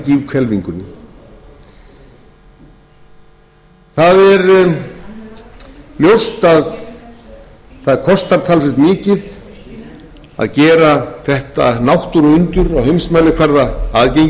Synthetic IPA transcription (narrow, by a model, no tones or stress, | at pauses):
civkʰvɛlviŋkʏnɪ | θaðɛɾ | ljowst̪að | θaðɛɾkʰɔst̪aɾt̪ʰalsɛɪht̪miːcɪð | a̰ðcɛːɾaθɛht̪a̰nawht̪ʏɾʏnt̪ʏɾawhejmsmanɪkʰvɛɾðaaðcejŋ